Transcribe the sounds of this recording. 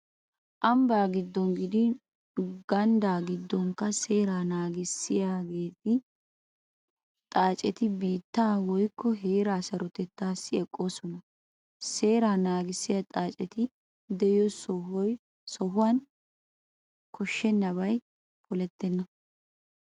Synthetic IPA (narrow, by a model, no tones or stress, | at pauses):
ʔɐmbaːɡɪd̪ːɔŋɡɪd̪ɪ | ɡɐnd̪aːɡɪd̪ːɔŋkːɐse̞ːɾaːnaːɡɪsːɪjaːɡe̞ːt̪ɪ | t̪ʼaːt͡ʃʼɛt̪ɪbiːt̪ːaːwɔjkːɔɦe̞ːɾaːsɐɾɔt̪ɛt̪ːaːsːɪɛkʼːo̞ːsɔnɐ | se̞ːɾaːnaːɡɪsːɪjɐt̪ʼaːt͡ʃʼɛt̪ɪ | d̪ɛɪjɔsɔɦɔj | sɔɦʊwan | kɔʃːɛnːɐβɐj | pʰɔlɛt̪ːɛnːɐ